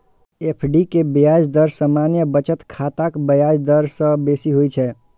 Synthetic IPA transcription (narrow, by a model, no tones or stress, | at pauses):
epʰɖikebijad͡ʒd̪əɾsəmanjəbət͡ʃət̪kʰat̪akbəjad͡ʒd̪əɾsə̃besiɦojt͡ʃʰɛ